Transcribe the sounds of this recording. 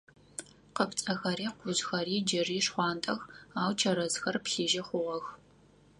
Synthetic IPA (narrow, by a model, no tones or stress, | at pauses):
qəpt͡sʼɐxɐɾiːqʷʊzxɐriːd͡ʒɐriːʂχʷɑːntʼɐxaːwt͡ʃʰɐɾɐzxɐrpɬiːʒɐχʷʊʁɐx